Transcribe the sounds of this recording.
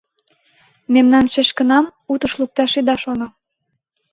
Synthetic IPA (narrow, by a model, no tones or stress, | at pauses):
memnɑnʃeʃkə̆nɑmut̪əʃluk̚t̪ɑʃid̪ɑʃono